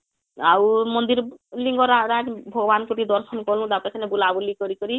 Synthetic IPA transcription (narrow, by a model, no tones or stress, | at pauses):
awmɔnd̪iɾliŋɡɔɾaɾaʈbʱɔɡɔbankuɾid̪ɔɾsɔnkɔlũd̪apasʰanebulabɔlikɔɾikɔɾi